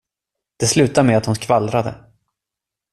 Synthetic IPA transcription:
d̪̥ɛslʉ̟ːt̪amɛat̪hʊnkʰvalɾad̪ə̰

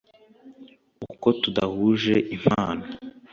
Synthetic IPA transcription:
uko̞tudahuːʒeʔim̥aːno

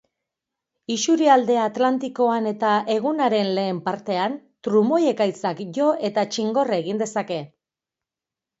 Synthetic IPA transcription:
isuɾiald̪e̞at̪lant̪iko̞ane̞t̪aʔe̞ɣ̞unaɾe̞nle̞ːmpaɾt̪e̞ant̪ɾumo̞je̞kajt͡sakʝo̞ʔe̞t̪at͡ʃiŋɡo̞raeɣind̪e̞sake̞

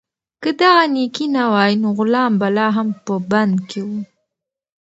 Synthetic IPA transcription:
kəd̪aɣanikinawɑjnoɣʊlɑmbalɑɦampəband̪kewu

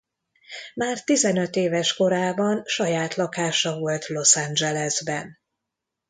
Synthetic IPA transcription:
maːrt̪izɛnøt̪eːvɛʃko̞ɾaːbɒnʃɒjaːt̪lɒkaːʃɒvo̞lt̪lo̞sand͡ʒɛlɛzbɛn

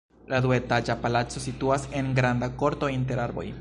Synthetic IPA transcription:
laðwet̪ad͡ʒapalat͡sosit̪uaseŋɡɾand̪akoɾt̪oint̪eɾaɾbo̰j

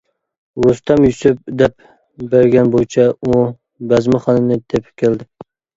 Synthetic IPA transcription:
wost̪ɛmjysɪp̚d̪ɛp̚ | bɛɾɡʲɛnbojt͡ʃʰɛu | bɛzmɨχɑnɨnɨt̪ʰepʰɪ̥kʲeld̪ɪ

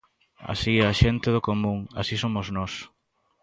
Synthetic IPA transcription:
a̰siɛaʃent̪eðʊkomũŋa̰sisomoznɔs

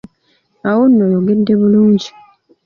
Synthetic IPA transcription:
awonːojoɡe̞dːe̞βuluːɲɟi

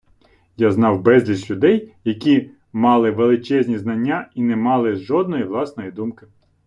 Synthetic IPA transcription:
jaznɑwbɛzʲlʲisʲlʲʊd̪ɛjjɐkʲi | mɑlˠɪʋelˠɪt͡ʃɛzʲnʲiznɐnʲːainɛmɑlˠɪʒɔd̪̚nɔjiʋlˠɑsnɔjid̪umkɪ

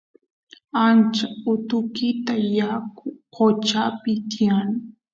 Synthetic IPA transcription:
ant͡ʃaʊt̪ʊkɪt̪ajakʊqot͡ʃapɪt̪ijanɪ

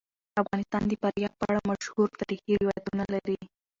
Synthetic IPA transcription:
afɣɑnɪst̪ɑnd̪əpaɾjɑɡ̚pəaɽamaʃhuɾt̪ɑɾixihɪwɑjat̪unalaɾi

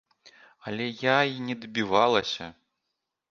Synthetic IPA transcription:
ɐlʲɛjainʲɛd̪bʲivalˠɐsʲɐ̰

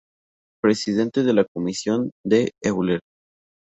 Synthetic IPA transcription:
pɾe̞siðe̞nt̪eðelakomisjo̞nd̪eewleɾ

